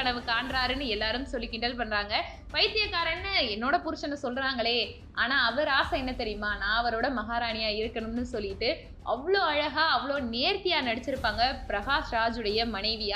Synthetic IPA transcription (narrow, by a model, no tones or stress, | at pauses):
ɐɳɐʋɯkːaːɳɾaːɾɯnːɯɛlːaːɾɯmsɔlːɪkːɪɳʈɐlpɐnːɾaːŋɡɐ | pɐɪt̪ːɪjɐkːaːɾɐnːɯɛnːoːɽɐpʊɾɯt͡ʃːɐnːɯsɔlːɾaːŋɡɐɭeː | ʔaːnaːɐʋɐɾaːsɐɛnːɐt̪ɛɾɪjɯmaːnãːɐʋɐɾoːɽɐmɐɣaːɾaːɳɪjaːɪɾɯkːɐɳɯmnɯsɔlːɪʈːɯ | ʔɐʋːɐɭoːɐɻɐɣaːɐʋːɐɭoːneːɾt̪ɪjaːnɐɽɪt͡ʃːɪɾɯpːaːŋɡɐpɪɾɐɣaːsɾaːd͡ʒɯɽɐjɐmɐnɐɪʋɪjaː